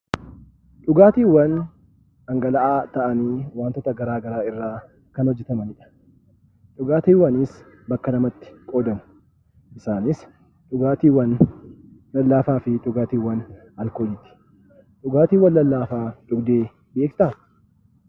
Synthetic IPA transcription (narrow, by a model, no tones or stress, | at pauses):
ᶑʊɡaːt̪iːwɐn | ɐŋɡɐlɐʔaːt̪ɐʔɐniːwaːnt̪ɔt̪ɐɡɐɾaːɡɐɾaːɪrːaː | kɐnhɔd͡ʒːɛt̪ɐmɐnɪᶑɐ̥ | ᶑʊɡaːt̪iːwɐnɪs | bɐkːɐnɐmɐt̪ːɪ̥kʼo̞ːd̪ɐmʊ̥ | ʔɪsaːnɪs | ᶑʊɡaːt̪iːwɐnː | ɐlːaːfaːfɪᶑʊɡaːt̪iːwɐn | ɐlkoːd͡ʒɪt̪ɪ̥ | ᶑʊɡaːt̪iːwːɐnlɐlːaːfaːᶑʊɡd̪e̞ː | be̞ːkt̪ɐ